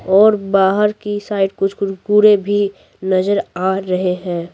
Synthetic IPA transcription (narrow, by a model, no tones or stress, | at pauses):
ɔːɾbaːɦəɾkisaːɪʈ̚kʊt͡ʃʰkʊkuːɾebʱi | nɐzəɾaːɾɐɦeɦɛ̃ː